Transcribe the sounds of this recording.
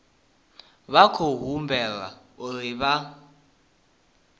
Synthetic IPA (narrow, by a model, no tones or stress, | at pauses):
βakʰoɦumbʱɛla̰ | uriβa